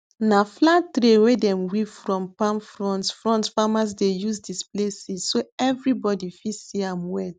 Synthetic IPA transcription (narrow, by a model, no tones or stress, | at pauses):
naflatɾewedɛ̃mwifɹɔ̃mpãmfɹɔ̃ntfɹɔ̃ntfamas̬dejusdisplesissoɛvɾibɔdifisiãmwɛt